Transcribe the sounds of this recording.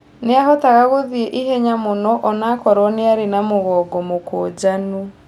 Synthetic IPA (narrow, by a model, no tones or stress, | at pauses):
neaɦɔtaɣaɣoðiɛʔiɦɛɲamonɔʔɔnakɔɾɔneaɾenamoɣɔɡɔmokoːd͡ʑanu